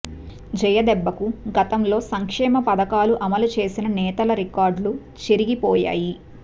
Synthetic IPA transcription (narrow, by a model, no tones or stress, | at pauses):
d͡ʒɛjɐd̪ɛbːɐkuɡɐt̪ɐmlo̞ːsɐŋkʂɛːmɐpɐd̪ɐkaːluʔɐmɐlut͡ʃe̞ːsinɐnɛːt̪ɐlɐɾikaːɾɖlu | t͡ʃeɾiɡipɔːja̰ːji